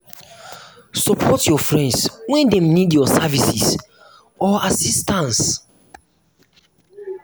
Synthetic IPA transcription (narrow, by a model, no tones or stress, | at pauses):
sɔpʰɔtjɔfɹɛ̃ndswɛ̃ndɛ̃mnidjɔsavisis | ɔasistãns